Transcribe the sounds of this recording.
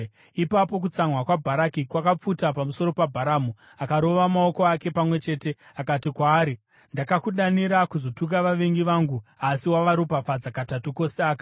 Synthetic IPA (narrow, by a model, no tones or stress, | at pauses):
ipapo̞k̬ut͡samwakwabʱaɾakikwakap͡futapamuso̞ɾo̞pabʱaɾamu | akaɾo̞ʋamao̞ko̞ake̞pamwe̞t͡ʃe̞ːte̞akatikwaːɾi | ndakakuɗaniɾakuzo̞tuk̬aʋaʋe̞ŋɡiʋaŋɡuasiwaʋaɾupafad͡zakatatuko̞seaːka